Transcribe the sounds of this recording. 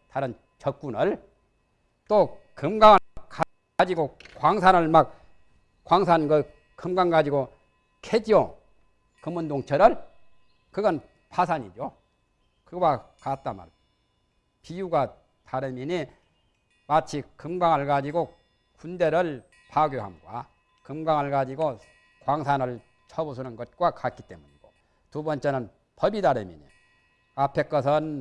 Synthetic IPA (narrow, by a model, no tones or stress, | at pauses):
taɾɯn | t͡ɕʌk̚k͈unɯɭ | t͈okɯmɡaŋaka | ad͡ʑiɡokwaŋsʰanɯɭmak̚ | kwaŋsʰanɡɯ | kɯmɡaŋɡad͡ʑiɡo | kʰed͡ʑo | kɯmundoŋt͡ɕʰʌɾɯɭ | kɯɡʌn | pʰasʰaɲid͡ʑo | kɯbwakat̚t͈ama̰ɾ | pijuɡa | taɾɯmiɲi | mat͡ɕʰikɯmɡaŋɦaɭɡad͡ʑiɡo | kunde̞ɾɯɭ | pʰaɡjoɦa̰mɡwa̰ | kɯmɡaŋɦaɭɡad͡ʑiɡo | kwaŋsʰanɯɭ | t͡ɕʰʌbos̬ʰunɯnɡʌt̚k͈wakat̚k͈it͈e̞muɲiɡo | tubʌnt͡ɕ͈e̞nɯn | pʌbidaɾɯmḭɲḭ | apʰe̞k͈ʌsʰʌn